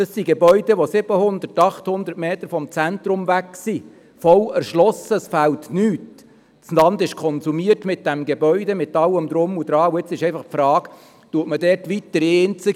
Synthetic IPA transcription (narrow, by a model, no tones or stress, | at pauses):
d̥ɑsːiɡebœʏd̥ɛʋosɪb̥əhʊnd̪ətɑχt̪hʊnd̪əɾtmeːt̪əɾfɔmt͡sænt̪ɾʊmvæksi | fɔlɛɾʃlɔsəsfæltnyːt | t͡slɑnd̪ɪʃkʰɔnsumiətmɪt̚d̥æmɡebœʏdɛmɪtɑlːəmd̪ɾʊmud̥̪ɾɑːuɪt͡sɪʃɛɪfɑχpfɾɑːɡ | tuətmədɛːtʋit̪ːəɾeːnt͡sə